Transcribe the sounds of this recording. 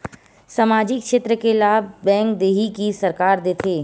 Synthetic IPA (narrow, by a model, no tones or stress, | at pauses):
saːmaːd͡ʒɪkʃeːt̪ɾəkelaːb̚bɛ̃ːŋkd̪eːɦikisɐɾkaːɾd̪eːt̪ʰeː